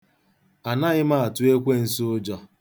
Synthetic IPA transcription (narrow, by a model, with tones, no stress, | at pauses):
a˨na˦ɣɪ˦ma˦a˨tʊ˨˦e˦kʷe˦˨n̩˦sʊ˦ʊ˦d͡ʒɔ˦